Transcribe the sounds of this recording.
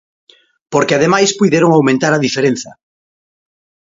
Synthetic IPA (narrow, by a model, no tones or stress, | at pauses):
poɾkeaðemajspujðeɾoŋawmẽnt̪aɾaðifeɾẽn̟θɐ